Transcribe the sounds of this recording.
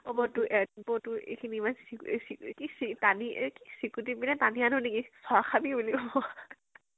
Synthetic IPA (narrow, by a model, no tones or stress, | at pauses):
ɔbɔtʊʔɛbɔtʊḛkʰiniimansisikisitanikisikut̬ibinɛtanianʊnekisɔɹakʰabibuliɔ